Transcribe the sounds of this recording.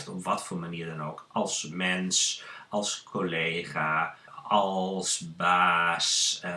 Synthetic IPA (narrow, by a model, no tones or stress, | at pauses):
ftɔpʋɔtfoːmaniːədanoːkɑlˠsmɛnsɑlˠskʰoleːχa | ɔlˠsbaːs